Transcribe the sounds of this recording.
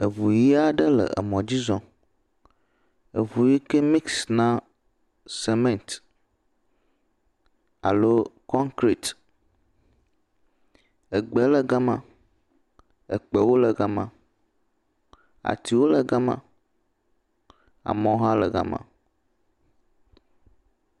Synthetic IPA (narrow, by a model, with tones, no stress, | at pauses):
ə˨vu˨ji˦a˦ɖə˦lə̰˨ə̰˨mɔ̃˨d͡ʑi˦zɔ̃˨ | e˨vu˨ji˦ke˦mi˦ksnã˦ | se˦mẽ˦˨nt | a̰˨lo˦kɔ̃˦ŋkɾi˨t̪ | e˨ɡ͡bɛ˨le˨ɡa˦mã̰˨ | e˨k͡pɛ˨wo˦le˨ɡa˦mã̰˨ | a̰˨t̪i˨wo˦le˨ɡa˦mã̰˨ | a̰˨mɔ̃˨˦o˦ɦã˦lɛ˨ɡa̰˨mã̰˨